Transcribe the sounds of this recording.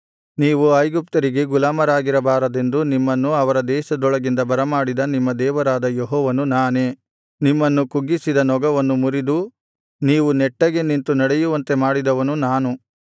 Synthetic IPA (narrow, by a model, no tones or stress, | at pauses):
niːʋuɐjɡup̚t̪ɐɾiɡe̞ɡulaːmɐɾaːɡiɾɐbaːɾɐd̪e̞nd̪unimːɐnːuɐʋɐɾɐd̪ɛːʃɐd̪ɔɭɐɡind̪ɐbɐɾɐmaːɽid̪ɐnimːɐd̪ɛːʋɐɾaːd̪ɐjeɦɔːʋɐnunaːne̞ː | nimːɐnːukuɡːisid̪ɐnɔɡɐʋɐnːumuɾid̪u | niːʋunɛʈːɐɡe̞nint̪unɐɽejuʋɐnt̪e̞maːɽid̪ɐʋɐnunaːnu